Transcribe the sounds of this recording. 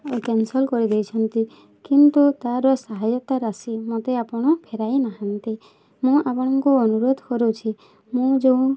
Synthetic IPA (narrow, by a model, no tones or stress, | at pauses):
kensɔlkɔɾid̪ejt͡ʃʰɔnt̪i | kint̪ut̪aɾɔsaɦajɔt̪aɾasimot̪eapɔɽ̃ɔpʰeɾajnaɦant̪i | mũʔapɔɽ̃ɔŋkuɔnuɾod̪ʱkɔɾut͡ʃʰi | mũd͡ʒeũ